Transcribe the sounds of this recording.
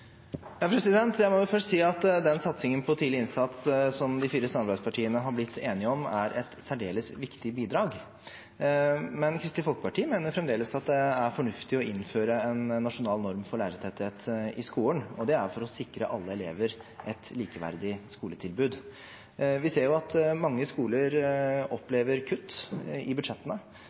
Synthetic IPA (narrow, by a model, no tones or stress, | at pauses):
jɑːpʰɾɛsɪd̪ɛnt̪jæɪmɔjʊfœʂʈsiːɑt̪d̪ɛnsɑt̪sɪŋənpʰɔt̪ʰiːlɪɪnsɑt̪ssɔmd̪ɪfiːɾəsɑmːɑɾbæɪd̪spɑʈʰiːənəɦɑɾblɪt̪ʰːeːnɪəɔmæɾʔɛt̪sæɖeːləsʋɪkt̪ɪbiːd̪ɾɑːɡ | mɛnkʰɾɪst̪ɪfɔlkəpɑʈiːmeːnəɾfɾɛmd̪eːləsɑt̪̚d̪ɛæɾfɔɳʉft̪ɪɔɪnːføːɾəɛnːɑʂʊnɑːlnɔɾmfɔɭæːɾət̪ʰɛt̪ɪheːt̪ɪskuːənɔd̪ɛæɾfɔɾɔsɪkɾəʔɑlːəɛleːʋəɾʔɛt̪liːkəʋæ̰ɾd̪ɪskuːlət̪ʰɪlbʉːd̪ | ʋɪseːɾjʊɑt̪mɑŋːəskuːləɾɔpːleːʋəɾkʰʉt̪ːɪbʉd̪ʂɛt̪ːənə